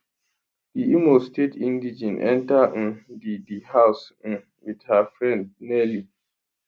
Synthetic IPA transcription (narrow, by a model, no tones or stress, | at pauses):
d̥iʔimostetʰĩndid͡ʒĩnʔɛ̰̃ntaʔ̩didihaws̩ | widhafɾɛ̃nd̚nɛli